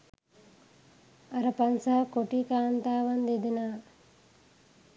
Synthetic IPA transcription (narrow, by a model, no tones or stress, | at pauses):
aɾəpansaɦakoʈiːkaːnt̪aːʋand̪ed̪enaː